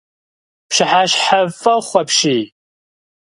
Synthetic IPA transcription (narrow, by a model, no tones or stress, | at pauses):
pʃɪħaɕħavfɐχʷɐpʃiː